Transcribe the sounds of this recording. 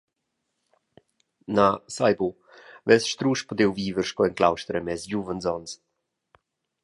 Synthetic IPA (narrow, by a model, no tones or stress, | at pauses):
nasajbu | vɛlsʃt̪ɾuːʃpɔd̪ewviːvəɾʃkɔɛnkla̰wʃt̪əɾɛmɛsjuvənzɔns